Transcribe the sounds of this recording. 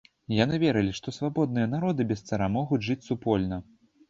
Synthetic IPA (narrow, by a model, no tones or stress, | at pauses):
janɨvʲɛɾɨlʲiʂt̪ɔsvabɔd̪̚nɨjɐnaɾɔd̪ɨbʲɛst̪sɐɾamɔɣud͡zʲʐɨt͡sʲsupɔlʲnɐ